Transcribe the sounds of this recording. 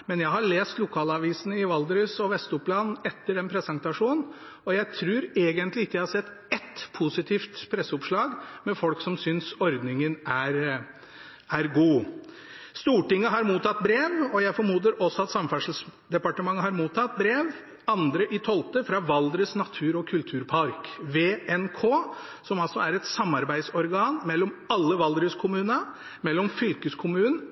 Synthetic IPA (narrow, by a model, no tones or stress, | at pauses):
mɛnjæɪɦɑɭeːst̪lʊkʰɑːlɑʋiːsnəɪʋɑld̪ɾəsɔʋɛst̪ʊpʰlɑnɛt̪ːəɖɛnpʰɾɛsənt̪ɑʂuːnn̩ | ɔjæɪt̪ʰɾʉːɾeːɡənt̪lɪɪəjæɪhɑsɛt̪ːɛt̪pʰʊsɪt̪ʰiːft̪pʰɾɛsːəʊpʂɭɑːɡmɛfɔlksɔmsʏnsɔɾd̪nɪŋənæɾ | æɾɡuː | st̪uːʈɪŋːəɦɑɾmuːt̪ɑt̪̚bɾeːʋɔjæɪfɔɾmuːd̪ɾəɾʔɔsːɔɑt̪sɑmfæʂəl̩sd̪ɛpɑʈəmɑŋːəɦɑɾmuːt̪ʰɑt̪̚bɾeːʋ | ɑnd̪ɾəʔɪt̪ʰɔlt̪əfɾɑːʋɑld̪ɾəsnɑt̪ʰʉːɾɔkʰʉlt̪ʰʉːɾpʰɑɾkʋeːɛnkʰoː | sɔmɑlsɔæɾɛt̪sɑmːɑɾbæɪd̪sɔɾɡɑːnmɛlːɔmɑlːəʋɑld̪ɾəskʰʊmʉːnə | mɛlːɔmfʏlkəskʰʊmʉːnn̩